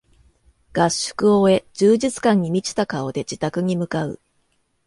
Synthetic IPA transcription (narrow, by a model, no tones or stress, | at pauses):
ɡ̥aɕːɨ̥kɯ̟oe̞d͡ʑɨːʑit͡sɨ̥kãɲ̟ːimʲit͡ɕi̥t̪akao̞d̪e̞d͡ʑit̪akɯ̟ɲ̟imɯ̟kaɯ̟̰